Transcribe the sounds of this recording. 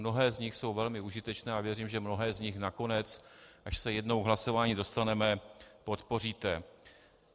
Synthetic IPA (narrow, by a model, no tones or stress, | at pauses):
no̞ɦɛːzɲɪxso̞wvɛlmɪuʒɪt̪ɛt͡ʃnɛːavjɛriːmʒɛmno̞ɦɛːzɲɪxnako̞nɛt͡sʔaʃsɛjɛdno̞wɦlaso̞vaːɲiːdo̞st̪anɛmɛpo̞t̪po̞r̝iːt̪ɛ